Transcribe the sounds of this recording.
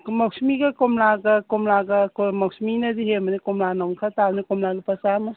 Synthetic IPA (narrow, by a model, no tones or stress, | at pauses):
mɐk̚smiɡɐkomlaɡɐkomlaɡɐkomɐksminɐdiɦemɐnikomlanɔŋkʰatanikomlaɡɐpɐsamɐ